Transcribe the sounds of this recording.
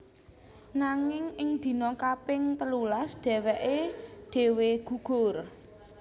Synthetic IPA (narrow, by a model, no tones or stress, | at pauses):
naŋɪŋɪŋd̪̥i̤nɔkapɪŋt̪əlulasd̥ɛ̤wɛʔeɖ̪̥e̤weɡ̥ṳɡ̥ʊ̤r